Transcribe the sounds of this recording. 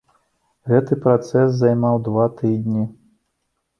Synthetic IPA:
ɣɛt̪ɨpɾat̪sɛs̬zajmawd̪vat̪ɨd̪ʲnʲi

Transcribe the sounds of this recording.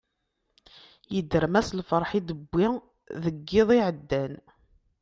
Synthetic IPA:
jəd̪ːəɾmæslfəɾˤħid̪əbːi | ðəɡːɪðˤiʕəd̪ːæn

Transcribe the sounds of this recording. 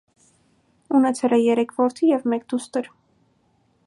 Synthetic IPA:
unɛt͡sʰɛlɛjɛɾɛkʰvɔɾt̪ʰijɛvmɛkd̪ust̪əɾ

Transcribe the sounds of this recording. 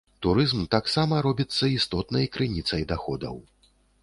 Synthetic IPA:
t̪uɾɨzmt̪aksamɐɾɔbʲit̪sːɐist̪ɔt̪nɐjkɾɨnʲit̪sɐjd̪axɔd̪ɐ̰w

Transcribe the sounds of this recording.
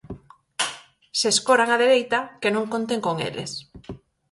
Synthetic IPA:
seskoɾaŋaðeɾejt̪akenõŋkõnt̪eŋkoŋḛlʔḛs

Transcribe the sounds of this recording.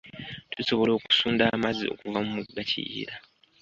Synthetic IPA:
tʰuso̞βo̞lo̞ːku̥suːndaːmazio̞̰kuvamumuɡːacʰḭjḭɾa

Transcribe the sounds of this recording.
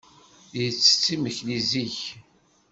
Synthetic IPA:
jət͡sːə̥t͡sːiməçliziç

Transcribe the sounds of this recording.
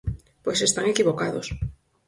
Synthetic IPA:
pwesest̪aŋekiβokaðos

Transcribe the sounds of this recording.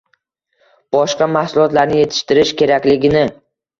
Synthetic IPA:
b̥ɒʃqɑmahsʊlˠɒt̪laɾnɪje̞t̪ʰɪ̥ʃt̪ɪɾɪʃkʲʰe̞ɾakʲlɪɡʲɪnɪ

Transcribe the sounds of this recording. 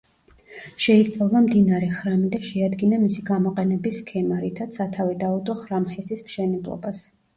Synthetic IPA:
ʃɛist̪sʼavlˠamd̪inaɾɛχɾamid̪aʃɛad̪ɡinamisiɡamɔqʼɛnɛbiskʰɛmaɾit̪ʰat̪sʰat̪ʰavɛd̪aud̪ɔχɾamχɛsismʃɛnɛblˠɔ̰bas

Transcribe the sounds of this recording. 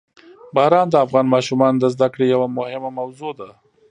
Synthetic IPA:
bɑɾɑnd̪əafɣɑnmɑʃumɑnod̪əzd̪akɽejawamʊhɪmamawzod̪a

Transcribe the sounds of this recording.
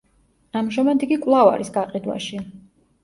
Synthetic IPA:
amʒamad̪iɡikʼwlˠava̰ɾisɡaqʼid̪wa̰ʃi

